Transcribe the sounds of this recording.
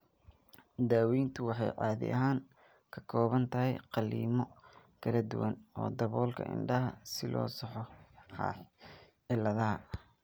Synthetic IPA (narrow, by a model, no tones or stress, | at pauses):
d̪aːwiːnt̪ʰʊwɑħɑ̰jʕɑ̰ːðɪ̰ʔɐ̰ɦaːŋ | kʰɐ̥kʰɔːβɐnt̪ʰɐɦɛjqɑliːmɔ | kʰɐlɐd̪ʊwɐnɔ̰ːd̪ɐβɔːlkʰɐ̰ʔɪ̰nɖɐɦɐsɪlɔ̰ːsɑħɔħɑ̰ːħ | ɪlːɐðɐɦɐ